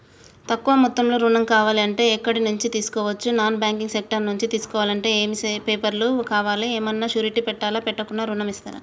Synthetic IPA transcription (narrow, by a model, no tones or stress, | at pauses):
t̪ɐkːuʋɐmut̪ːɐmloːɾuːɳɐmkaːʋaːliɐɳʈe̞ːɛkːɐɽinuɲt͡ʃit̪iːsu̥kɔːʋɐt͡ʃːunaːnbjaːŋkiŋɡsek̚ʈɐɾnuɲt͡ʃit̪iːsu̥kɔːʋaːlɐɳʈe̞ːeːmisepeːpɐɾlukaːʋaːliɛːmɐnːaːt͡ʃuːɾiʈipɛʈːaːlaːpɛʈːɐkunːaːɾuːɳɐmist̪a̰ːɾɐ̰